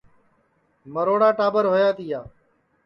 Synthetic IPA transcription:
məɾoːɽaːʈaːbəɾɦoːjaːt̪iːjaː

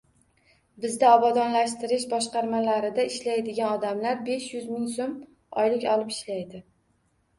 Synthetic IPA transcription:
bɪzd̪aɒbɒd̪ɒnlaʃt̪ɪɾɪʃ̬bɒʃqɑɾmalaɾɪd̪aɪʃlajd̪ɪɡʲanɒd̪amlaɾbe̞ʃjʊzmɪŋsom | ɒ̰jlɪkʲɒlˠɪpɪʃlajd̪ɪ

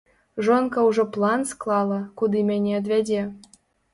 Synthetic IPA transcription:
ʒonkɑuʐoplˠɑnsklˠɑlˠɤ̆kud̪ɨmʲenʲed̪βʲædʲe

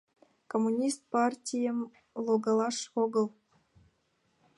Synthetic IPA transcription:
komːunʲist̪̚pɑrtʲijə̆m | lˠoɡɑlˠɑʂoɡɤ̆lˠ

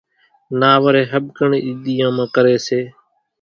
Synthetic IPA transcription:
naːʋəɾeːɦəɓkəɳːiːd̪ijãːmãːkəɾeːseː

